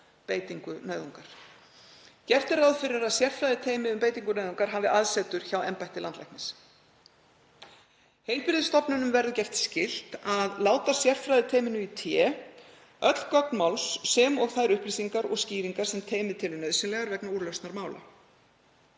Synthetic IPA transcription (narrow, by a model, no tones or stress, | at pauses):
peːjt̪iŋkʏnœːðuŋkaɾ̥ | cɛr̥t̪ɪɾawðfɪɾɪɾaðsjɛr̥t̪fɾajðɪt̪ʰeːjmɪʏmpeːjt̪iŋkʏnœɥðuŋkaɾ̥ɦaːvɪʔaðsɛːt̪ʏɾ̥çawɛmpajht̪ɪlant̪lɛhknɪs | hejlpɪɾðɪst̪ɔpnʏnʏmvɛɾðʏcɛft̪scɪl̥t̪aðlaːwt̪asjɛr̥fɾajðɪt̪ʰeːjmɪnʏit̪ʰjɛ | œt̪l̥kœk̚nmawlsːɛmɔɣθaðɾʏhpliːsiŋkaɾɔɣsciːviŋkḁsɛmt̪ʰeːjmɪðt̪ʰɪlʏnœɥðsɪnlɛɣaɾvɛknauɾlœst̪naɾmaːwla̰